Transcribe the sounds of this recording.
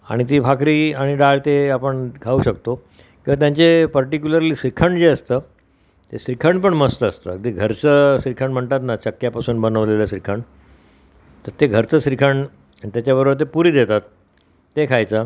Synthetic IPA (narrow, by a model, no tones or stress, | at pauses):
a̰ɽ̃it̪̬iːbʱakɾiːaɽ̃iɖaɭt̪eapəɳkʰauːɕək̚t̪o | kĩw̃ʋat̪jãɲt͡sepəɾʈik̬juləɾliːsɾikʰəɳɖd͡zeəst̪əː | t̪eɕsɾikʰəɳɖpəɳməst̪əəst̪ə̰d̪iɡʱəɾt͡səːsɾikʰəɳm̤əɳt̪at̪nat͡ɕəkjapasuːnbənəʋlelaɕɾikʰəɳ | t̪əɾt̪eɡʱəɾt͡səɕɾikʰəɳɖ | t̪jat͡ɕjabəɾobəɾt̪̬epuɾiːd̪et̪at̪ː | ekʰajt͡sə